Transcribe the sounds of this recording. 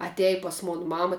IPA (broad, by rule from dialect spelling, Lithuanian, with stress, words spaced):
ɐˈtʲɛj pɐs ˈmoːn ˈmɑːmɐ